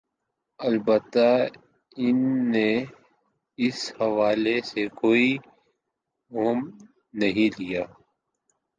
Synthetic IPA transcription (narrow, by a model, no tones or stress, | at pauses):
ɐlbət̪ːa | ɪnːe | ɪshɐʋaːlesekoːi | ɦoːm | nɐɦĩlijaː